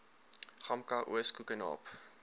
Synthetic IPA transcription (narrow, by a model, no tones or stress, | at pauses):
χɐmkɐʔṵəskukənɑ̰ːp